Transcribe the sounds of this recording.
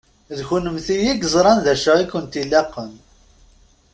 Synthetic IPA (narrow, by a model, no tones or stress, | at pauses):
ðçunəmθijiɡzˤɾˤɑnðæʃəʁikːənt̪ilːæqːəm